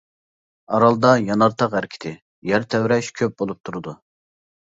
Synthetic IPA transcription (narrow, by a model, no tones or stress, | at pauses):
ɑɾɑlˠd̪ɑjɑnɑɾt̪ʰɑqhæɾkʲʰɪ̥t̪ʰɪ | jæɾt̪ʰɛwɾɛʃkʲʰøp̚bolˠup̚t̪ʰuɾɨd̪u